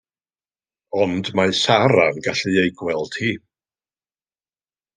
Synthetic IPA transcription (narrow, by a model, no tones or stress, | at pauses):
ɔndmasaɾanɡaɬɨejɡwɛlˠd̥hiː